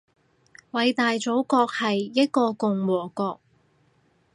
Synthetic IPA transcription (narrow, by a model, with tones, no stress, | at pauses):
wɐ˨˧jt̪aː˨jt͡so˨˥wkɔː˧k̚hɐ˨jːɐ˥t̚kɔː˧kʊ˨ŋwɔː˨˩kɔː˧k̚